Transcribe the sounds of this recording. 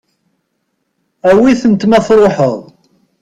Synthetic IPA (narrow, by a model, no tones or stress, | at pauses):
æwiθənt̪mæθɾˤoħəðˤ